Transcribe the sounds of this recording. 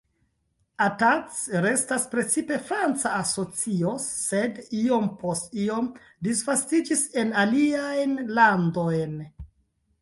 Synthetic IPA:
atat͡sɾe̞staspɾe̞t͡sipe̞fɾant͡saːso̞t͡sio̞se̞dio̞mpʰostio̞m | disvastid͡ʒise̞naliajnlando̞jn

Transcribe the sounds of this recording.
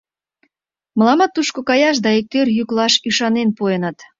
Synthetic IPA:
məlɑmɑt̪ːuʃkokɑjɑʃ̬d̪ɑek̚t̪ørjyklɑʃyʃɑnenpoenət̪

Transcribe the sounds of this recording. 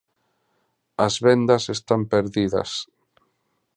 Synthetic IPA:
ɐzβɛnd̪ɐsest̪ampeɾðiðɐ̰s

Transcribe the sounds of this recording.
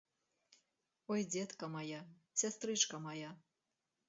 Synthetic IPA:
ɔjd͡zʲet̪kɐmɑja | sʲast̪ɾɨt͡ʂkɐmaja

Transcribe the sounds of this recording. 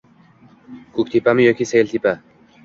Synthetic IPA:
kʰʊk̚ʲt̪ʰipamɪjɔkʲiselʲt̪ʰipa

